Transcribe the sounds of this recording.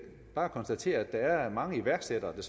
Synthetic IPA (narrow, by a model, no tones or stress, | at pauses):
b̥ɑ̈ːækʰɒ̽nsd̥æt͡sʰe̝̰ːɐæd̥ɑ̈æɐmɑ̈ŋəiʋæɐɡ̥sed̥ɐːd̥e̝s